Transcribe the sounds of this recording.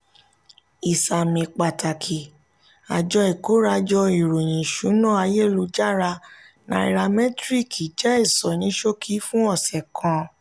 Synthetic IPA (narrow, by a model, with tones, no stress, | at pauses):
i˨sa˨mĩ˨k͡pa˨ta˨kʰi˨ | a̰˨d͡ʒɔ˧i˨ko˨˦ɾa˧d͡ʒɔ˧i˨ɾo˨j̃ĩ˨ʃũ˨˦nɔ̃˦˨a˧je˦˨lu˧d͡ʒa˦˨ɾa˧ | nã̰˨˧i˧ɾa˧mɛ̃˦tɾi˦˨ki˨d͡ʒɛ˦e˦˨sɔ˨nĩ˨˦ʃo˦kʰi˦fũ˦ɔ˦˨sɛ˨kʰã˨˧˦